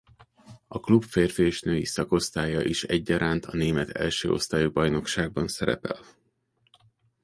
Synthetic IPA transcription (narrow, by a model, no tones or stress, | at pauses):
ɒklupfeːrfeʃnøːjisɒko̞st̪aːjɒʔiʃɛɟːɒɾʔaːnt̪ɒneːmɛt̪ʰɛ̰lʃø̰ːo̞̰st̪aːjibɒjno̞kʃaːɡ̚bɒnsɛɾɛ̰pɛ̰l